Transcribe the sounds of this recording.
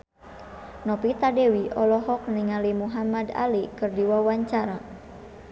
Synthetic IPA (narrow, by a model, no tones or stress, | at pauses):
nɔpit̪adewiʔɔlɔɦɔk̚niŋalimuɦamada̰likɨrdiwawaɲt͡ʃaɾa